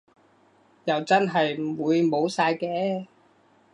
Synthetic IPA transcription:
jɐ˨wt͡sɐ˥nɦɐ˨jm̩˨˩wuː˨˧jmo˨˧wsaː˧jkɛː˧

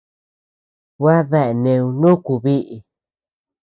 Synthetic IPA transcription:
wa˦ðe˦ʔe˨nẽ˧ũ˧nũ˦ku˧βi˦ʔi˨

